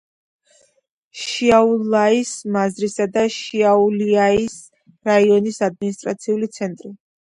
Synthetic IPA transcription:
ʃiaulaismazɾisad̪aʃiauliais | ɾaiɔnisad̪̚minist̪ʼɾat̪sʰiulit̪sʰɛnt̪ʼɾi

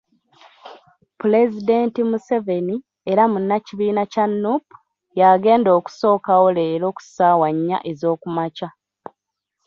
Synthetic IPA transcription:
pule̞zide̞ːntimuse̞ve̞ni | eɾamunːaciβiːnacanːupu̥ | jaɡe̞ːndo̞ːku̥so̞ːkawo̞leːɾo̞ːku̥saːwaɲːa̰ʔe̞zo̞ːkumaca

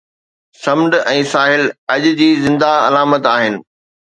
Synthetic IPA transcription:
sɐmɖɛ̃ːsaːɦɪlɐʄd͡ʑiːzɪ̃nd̪aɐlaːmət̪aːɦɪnɪ̆

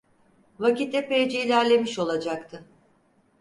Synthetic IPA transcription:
vacit̪ːɛpejd͡ʒeilʲæɾlʲe̞miʃo̞lˠad͡ʒakt̪ʰɯ

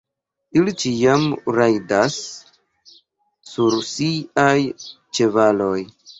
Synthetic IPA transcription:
ilit͡ʃiamɾajdas | uɾsiaj | t͡ʃe̞valo̞j

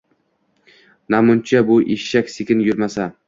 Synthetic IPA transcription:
namʊnt͡ʃʰabʊʔeʃːakʲsekʲʰɪnjʊɾmasa

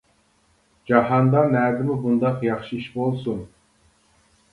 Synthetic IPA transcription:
d͡ʒɑɦɑnd̪ɑmæɾd̪ɪmɪbund̪ɑqjɑχʃɨiʃbolˠsun

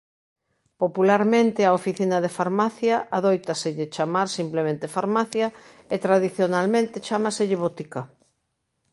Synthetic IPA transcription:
populaɾmẽnt̪ɪaofiθinɐðefaɾmaθjaʔaðojt̪aseʎɪt͡ʃamaɾsimplemẽnt̪efaɾmaθja | et̪ɾaðiθjonalmẽnt̪ɪt͡ʃamaseʎɪβot̪ikɐ

